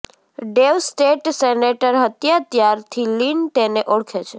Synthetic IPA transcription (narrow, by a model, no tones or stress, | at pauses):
ɖeʋsʈeʈseneʈəɾɦət̪jat̪jaɾt̪ʰilint̪eneʔoɽkʰet͡ʃʰe